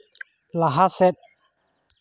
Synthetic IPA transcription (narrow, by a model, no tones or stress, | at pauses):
laɦasɛɗ̚